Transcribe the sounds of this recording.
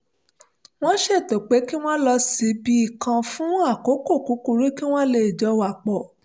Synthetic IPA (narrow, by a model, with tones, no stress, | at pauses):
w̃ɔ̃˦ʃe˦˨to˨k͡pe˨˦ki˦w̃ɔ̃˦lɔ˧si˨˦bi˦i˦˨kã˧fũ˦a˦˨ko˨˦ko˦˨ku˨˦ku˧ɾi˦ki˦w̃ɔ̃˦le˧˨d͡ʒɔ˨˧˦wa˨k͡pɔ˨